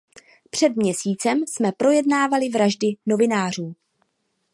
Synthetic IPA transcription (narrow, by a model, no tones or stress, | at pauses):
pr̝̥ɛdmɲɛsiːt͡sɛmsmɛpɾo̞jɛdnaːvalɪvɾaʒdɪno̞vɪnaːr̝uː